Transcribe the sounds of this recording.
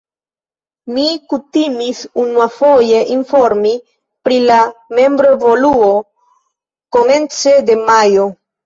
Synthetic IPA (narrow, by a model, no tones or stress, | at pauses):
mikutimisunuafo̞je̞ʔinfo̞ɾmi | pɾilame̞mbɾoevo̞luo̞ | ko̞me̞nt͡se̞de̞majo